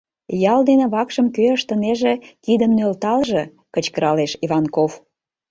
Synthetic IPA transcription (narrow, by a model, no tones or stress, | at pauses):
jɑld̪enĕβɑkʃəmkøəʃt̪əneʒĕkid̪əmnølt̪ɑlʒĕ | kət͡ɕkəɾɑleʃiβɑnkof